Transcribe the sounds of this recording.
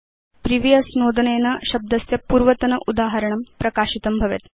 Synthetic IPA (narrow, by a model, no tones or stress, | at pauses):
pɾiʋijɐsnoːd̪əneːnɐɕɐb̚d̪ɐsjɐpuːɾʋɐt̪ɐnɐʔud̪aːɦɐɾəɳ̃ɐmpɾɐkaːɕit̪ɐmbʱɐʋḛt̪